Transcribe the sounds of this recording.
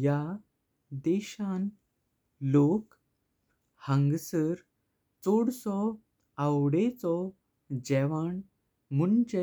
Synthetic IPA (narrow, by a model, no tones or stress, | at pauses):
ja | d̪ɛɕãn | lok | hə̃ŋɡsəɾ | t͡soɽsɔ | awɽet͡sɔ | d͡ʑɛʋaɳ | munt͡ɕe